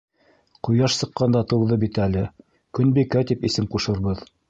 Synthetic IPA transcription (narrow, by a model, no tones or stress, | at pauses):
qujɑʃsɤ̆qːɑnd̪ɑt̪ɤ̆wðɤbit̪ælɘ | kɵ̆nbikæt̪ipisɘmquʃɤ̆ɾβɤð